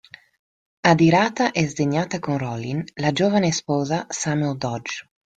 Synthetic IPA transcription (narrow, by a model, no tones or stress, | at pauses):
ad̪iɾaːt̪aʔɛzd̪eɲːaːt̪akonrɔlinlad͡ʒoːvanespɔːzasamɛld̪ɔd͡ʒ